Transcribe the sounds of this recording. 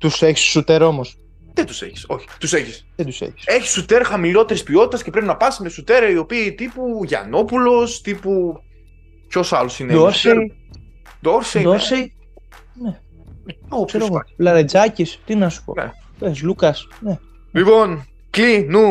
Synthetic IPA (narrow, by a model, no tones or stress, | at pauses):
t̪useçi̥ssut̪eɾo̞mos | ðet̪u̥sḛçi̥so̞çi̥t̪useçisðed̪usḛçi̥seçi̥sut̪e̞ɾxɐmilo̞t̪e̞ɾispio̞t̪i̥t̪ɐscepɾe̞pinɐpɐsimesut̪e̞ɾɐio̞piːt̪ipuʝɐ̰no̞pulo̞st̪ipu | co̞sɐlo̞sined̪oɾse | d̪oɾsed̪sej | ne | osɾoɣolɐðed͡zɐcist̪inɐsu̥po̰ | pezlukɐsne | lipo̞n | klinu